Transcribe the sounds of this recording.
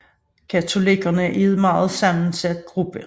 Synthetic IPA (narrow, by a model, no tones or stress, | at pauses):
kʰæt͡sʰo̝liɡ̥ɐnəʔiðˠmɑ̈ːð̞̩ˠsɑ̈mn̩sæd̥̚ɡ̥ʁub̥ə